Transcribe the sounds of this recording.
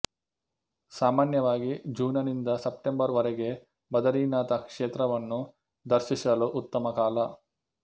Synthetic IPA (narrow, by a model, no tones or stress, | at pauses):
saːmaːnjɐʋaːɡid͡ʒuːnɐnind̪ɐsɐp̚ʈembɐɾʋɐɾɛɡe̞ | bɐd̪ɐɾiːnaːt̪ɐkʂeːt̪ɾɐʋɐnːu | d̪ɐɾʃisɐluʔut̪ːɐmɐkaːlɐ